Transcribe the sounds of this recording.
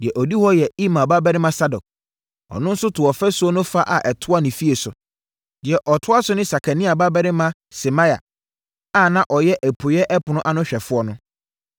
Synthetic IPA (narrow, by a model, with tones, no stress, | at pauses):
dɪ˨ɛ˨ʔɔ˨di˦hɔ˦jɛ˨i˦mã˨ba˦bɛ˦ɾɪ˦mã˦sa˦dɔ˨k̚ | ɔ̰˨nʊ̃˦n̩˦sʊ˦tʰʊ˨ɔ˨fɛ˦sʊ˦ɔ˦nʊ̃˦fa˦ʔa̰˨ʔɛ˨tʰʊ˦a˦nɪ̃˨fi˦e˨sʊ˨ | d̥ɪ˨ɛ˨ʔɔ˨tʰʊ˦a˦sʊ˦nɪ̃˦sa˨kʰa˨nĩ˦a˨ba˦bɛ˦ɾɪ˦mã˦ | sɪ˨mã˦ja̰˨ | a˦˨nã˦ʔɔ˨jɛ˦ʔæ˨pʰʊ˨jɛ˦ʔɛ˦pʊ˨nʊ̃˦ʔa˦nʊ̃˦ɕᶣɛ˨fʊ˦ɔ˦nʊ̃˦